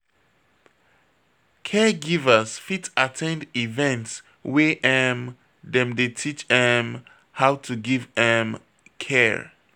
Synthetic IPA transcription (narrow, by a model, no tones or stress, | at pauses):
kʰɛɡivəsfitatʰɛ̃ndivɛ̃nts | wɛʔɛm | dɛ̃mdetʰit͡ʃdɛm | hawtʰuɡivdɛ̃m | kʰɛ